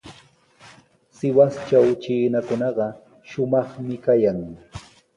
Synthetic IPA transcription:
sɪwast͡ʃawt͡ʃiːnakʊnɑɢɑ | ʃʊmɑχmɪkajaŋ

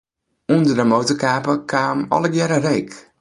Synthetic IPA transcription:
undərdəmowtərkaːpəkʰaːmɔ̰ləɡjɛɾərejk

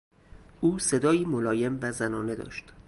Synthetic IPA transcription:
ʔuːse̞d̪ɒːiːmolɒːje̞mvæzænɒːne̞d̪ɒ̰ːʃt̪

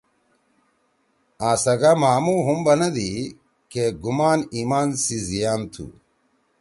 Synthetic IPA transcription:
aːsɐɡamaːmuɦumbɐnɐd̪i | keɡumaːniːmaːnsizijaːnt̪ʰṵ

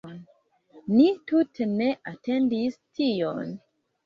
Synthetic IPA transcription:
n | nitutʰene̞ʔatendistʰijo̰n

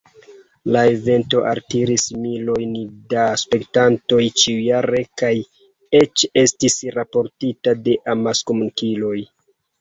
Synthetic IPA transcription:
lae̞ve̞nto̞ʔaltiɾismilo̞jndaspe̞ktanto̞jt͡ʃiujaɾe̞kaj | e̞t͡ʃe̞stisɾapo̞ɾtitade̞ʔamaskomunkilo̞j

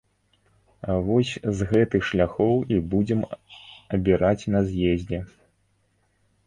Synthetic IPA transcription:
vɔsʲzɣɛt̪ɨxʂlʲaxɔwibud͡zʲɛmɐbʲiɾat͡sʲnɐzʲjezʲd͡zʲɛ

